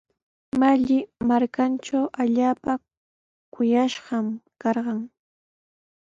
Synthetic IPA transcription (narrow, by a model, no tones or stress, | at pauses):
maʎɪmaɾkanʈ͡ʂawʔaʎaːpa | kʊjaʃɢɑmkɑɾɢɑŋ